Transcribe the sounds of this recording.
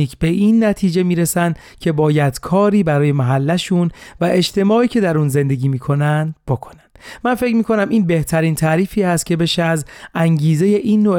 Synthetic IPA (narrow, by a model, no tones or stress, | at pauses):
iːkʰb̥e̞ʔiːnːæt̪ʰiːd͡ʒe̞miːɾesænd̪̥ | cʰe̞bɒːjæd̪̥kʰɒːɾiːbæɾɒːje̞mæɦælːæʃunvæʔe̞ʃt̪ʰe̞mɒːʔiːcʰe̞d̪æɾunze̞nd̪e̞ɟiːmiːkʰo̞nænd̪b̥okʰo̥nænd̪̥mænfe̞cmiːkʰo̞næmʔiːnbe̞ht̪ʰæɾiːnt̪ʰæːɾiːfiːhæst̪̚cʰe̞be̞ʃeæzæŋɟiːze̞je̞ʔiːnːo